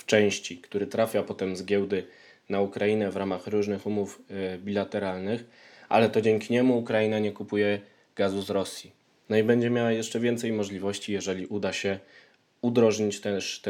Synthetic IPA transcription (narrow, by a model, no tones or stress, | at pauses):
ft͡ʂɛ̃w̃ɕt͡ɕikt̪uɾɘt̪ɾafʲjapɔt̪ɛmzɡʲjɛwd̪ɘ | naukɾajinɛvɾamaxɾuʐnɘxumuvbʲilat̪ɛɾalnɘx | a̰lɛt̪ɔd͡ʑɛŋkʲiɲɛmuːkɾajinaɲɛkupujɛ | ɡ̥azuzɾɔsʲji | nɔibɛɲd͡ʑɛmʲjawajɛʂt͡ʂɛvʲjɛnt̪sɛjmɔʐlʲivɔɕt͡ɕijɛʐɛlʲiʔud̪aɕɛ | ud̪ɾɔʐɲit͡ɕt̪ɛʂt̪